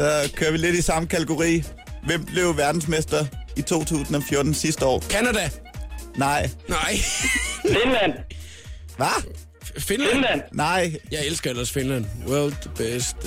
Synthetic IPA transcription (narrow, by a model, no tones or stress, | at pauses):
sɒ̽kʰøɐʋile̝d̥isɑ̈məkʰæ̥eɡ̥o̝ʁḭː | ʋem̰b̥le̝ʊʋæɐd̥n̩smesd̥ɐit͡sʰo̝̰ːt͡sʰṵːsn̩ɒ̽fjɔ̝ɐd̥n̩sisd̥əɒ̰ːkʰænæd̥æ | nɑ̈ɪ̰nɑɪ̰ | finlæn̰ | ʋæ | finlnlæn̰nɑ̈ɪ̰jɑ̈ɪelsɡ̥ɐelɐsfinlæn̰wɜɐld̥b̥esd̥